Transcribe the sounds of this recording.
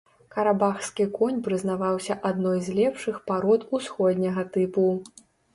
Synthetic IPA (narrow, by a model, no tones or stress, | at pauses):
kɐɾabaxskʲikɔnʲpɾɨzn̪avawsʲɐʔad̪nɔjzʲlʲɛpʂɨxpaɾɔt̪usxɔd̪ʲnʲɐɣɐt̪ɨpu